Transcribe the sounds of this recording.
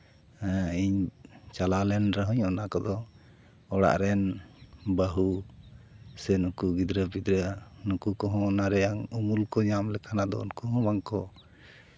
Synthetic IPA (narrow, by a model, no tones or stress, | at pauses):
ɛiɲt͡ʃalalɛnɾəɦuɲɔnakɔd̪ɔ | ɔɽa̰ʔɾɛnbaɦu | sɛnukuɡid̪ɾəbid̪ɾənukukɔɦɔ̃naɾɛjaŋumulkɔɲamlɛkanad̪ɔ̰ṵnkɔɦɔ̃baŋkɔ